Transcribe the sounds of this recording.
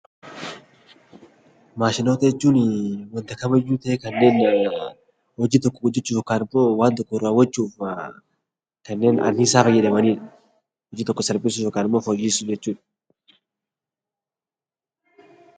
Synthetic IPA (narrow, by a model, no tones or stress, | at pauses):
maːʃɪno̞ːt̪ɐjɛt͡ʃːuːnɪwɐnt̪ɐkɐmɐjːuːt̪ɐʔɛkɐnːe̞ːn | hɔd͡ʒiːt̪ɔkːɔɡʊd͡ʒːɛt͡ʃːuːjoːkaːnɪmːo̞ːwaːnt̪ɔkːɔɾaːwɐt͡ʃːuːf | kɐnːe̞ːnɐ̰nːisaːfɐjɛᶑɐmɐniːᶑɐ̥ | hɔd͡ʒiːt̪ɔkːɔsɐɾbʼɪsʊjoːkaːnɪmːo̞ːfɔjiːsʊd͡ʒɛt͡ʃːuːᶑɐ̥